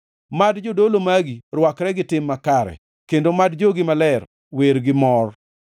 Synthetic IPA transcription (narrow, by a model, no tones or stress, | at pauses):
madd͡ʒodolomaɡirwakɾɛɡɪtɪmːakaɾɛ̰ | kendomadd͡ʒoɡɪmalɛr | weɾɡɪmɔr